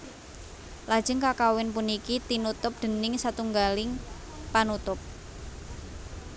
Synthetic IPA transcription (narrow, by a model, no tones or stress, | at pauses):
lḁʒ̥ə̤ŋkakawɪnpunikit̪inut̪ʊp̚d̪̥ə̤nɪŋsat̪uŋɡalɪŋ | panut̪ʊp̚